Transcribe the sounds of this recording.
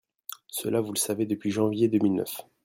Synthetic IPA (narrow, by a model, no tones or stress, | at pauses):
sə̰lavuləsaved̪əpɥiʒɑ̃vjed̪əmilnœ̰f